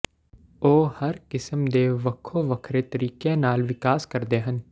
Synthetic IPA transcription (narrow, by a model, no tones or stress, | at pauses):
oːhɐɾkɪsəmd̪eːʋɐkʰoʋɐkʰɾet̪ɐɾiːkenaːlʋɪkaːskɐɾd̪eːɦə̃n